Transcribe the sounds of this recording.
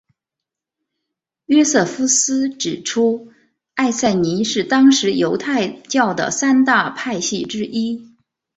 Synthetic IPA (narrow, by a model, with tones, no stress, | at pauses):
ɥɛ˥sɤ˥˩fu˥sɹ̩˥ʈ͡ʂɻ̩˨˩ʈ͡ʂʰu˥ | a˥˧ɪsa˥˩ɪni˧˥ʂɻ̩˥˩t̪ɑ˥ŋʂɻ̩˧˥jo˧˥ʊt̪ʰa˥˧ɪt͡ɕjɑ˥˩ʊd̪ə̰˩sa˥nt̪a˥˧pʰa˥˧ɪɕi˥˩ʈ͡ʂɻ̩˥ʔi˥